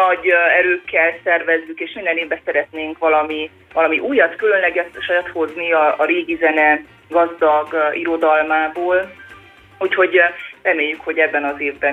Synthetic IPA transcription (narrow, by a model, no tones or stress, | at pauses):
nɒɟɛɾøːkːɛlsɛrvɛzːykeːʃmind̪ɛneːvbɛsɛɾɛt̪neːŋkʋɒlɒmi | vɒlɒmiʔuːjɒt̪kylø̞nlɛɡɛt̪ʃɒjat̪ho̞zniɒɒɾeːɡizɛnɛ | ɡɒzd̪ɒɡiɾo̞d̪ɒlmaːboːl | ucho̞ɟrɛmeːjːykho̞ɟɛbːɛnɒzeːvbɛ